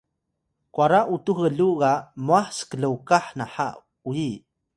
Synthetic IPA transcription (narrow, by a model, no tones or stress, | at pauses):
kwaɾaʔutuxəɮuɣamuaħskəɮəwkaħnaħa̰ʔ | uji